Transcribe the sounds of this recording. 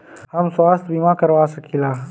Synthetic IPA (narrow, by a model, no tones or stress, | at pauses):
hɐmswaːst̪̚bʱimãːkɐɾwaːsɐkʰilaː